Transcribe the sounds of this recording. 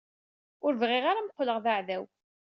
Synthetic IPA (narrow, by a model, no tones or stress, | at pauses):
ʊɾvʁɪʁaɾamqʷːləʁðaʕðæw